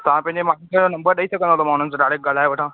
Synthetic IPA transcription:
t̪ɐʋãpɐ̃ɦɲd͡ʑemaːkitə̃onɐmbəɾɗəisɐkʰə̃nd̪at̪omaːɽ̤̃ənɪ̆soɖaːɽek̚ɡalaːeʋɐʈʰãː

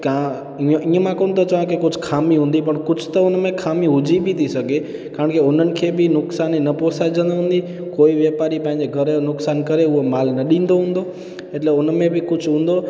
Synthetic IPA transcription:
kã | ʔĩːəmãkont̪ot͡ʃəʋãkekʊd͡ʒʰʱkʰaːmĩɦũːnd̪ipəɳkʊt͡ʃʰt̪oʊnmẽkʰaːmĩɦʊd͡ʒʱibʱit̪ʰisəke | kaːɾəɳkeʊnənɪ̆kʰebʱinʊksaninəposad͡ʒənoɦũnd̪i | koːiʋjəpaɾipãɦɪ̃ɲd͡ʒeɡʱəɾenʊksaːnkəɾeuomaːlnəɗĩnd̪oɦũnd̪o | eʈleʊnmẽbʱikʊt͡ʃʰɦũːnd̪o

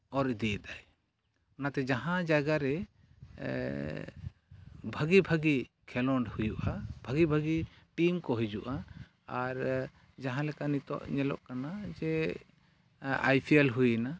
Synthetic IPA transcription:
ɔɾid̪iɛd̪aj | ɔnat̪ɛd͡ʒaɦãd͡ʒaɡaɾɛ | bʱəɡibʱəɡi | kʰɛlɔɳɖhujuʔab̥ʱəɡibʱəɡiʈimkɔɦɛd͡ʒuʔa | aɾ | d͡ʒaɦãlɛkanit̪ɔ̰ʔɲɛlɔ̰ʔkanad͡ʒɛ | a̰jpʰielɦujna

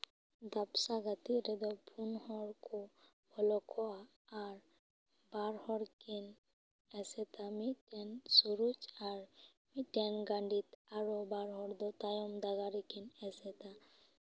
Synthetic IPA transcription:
d̪apsaɡat̪iɾɛd̪ɔpʰunhɔɾkɔ | bʱɔlɔkʰɔaː | ɾ | baɾhɔɾkin | ɛsɛt̪amiʈɛnsuɾud͡ʒaɾ | miʈɛnɡaɳɖit̪aɾɔbaɾɦɔɾd̪ɔt̪ajɔmd̪aɡaɾɛkinɛsɛt̪a

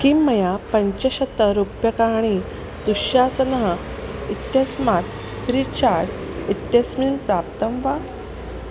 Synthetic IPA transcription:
kimːəjapəɲt͡ɕeɕət̪ːəɾupjəkaɳ̃i | t̪uɕjasənəɦ | it̪jəsmat̪ | fɾit͡ɕaɾʈ | it̪jəsminpɾap̚t̪əmʋa

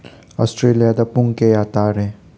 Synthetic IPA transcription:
ɔːsʈɾeːlijad̪ɐpũŋkejaːt̪aːɾɦɛ̃

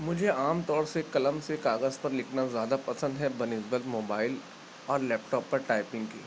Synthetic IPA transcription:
mʊd͡ʒʱeaːmt̪ɔːɾsekɐləmsekaːɣəzpɐɾlɪkʰnazjaːd̪apɐsə̃nd̪ɦɛbɐnɪzbəlt̪moːbaːɪl | ɔːɾlɛːp̚ʈɔːpːɐɾʈaːɪpɪ̃ŋɡkiː

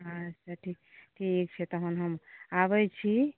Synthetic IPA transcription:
ɦãt͡ʃʰaʈʰikʈʰiek̚t͡ʃʰet̪ɔɦunɦəmaβət͡ʃʰi

